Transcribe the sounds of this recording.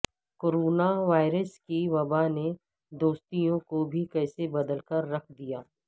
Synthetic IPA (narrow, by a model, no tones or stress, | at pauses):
koːɾoːnaʋaːɪɾəskiʋɐbane | d̪oːst̪ijõkobʱikɛːsebɐd̪əlkɐɾːɐkʰd̪ijaː